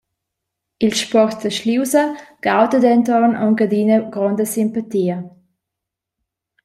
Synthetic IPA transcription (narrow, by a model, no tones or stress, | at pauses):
ɪlʃpɔʁtdəʃliwsɐɡ̥aʊtədɛntɔnɔŋɡədiːnəɡ̥ʁɔndəsɪmpatiːə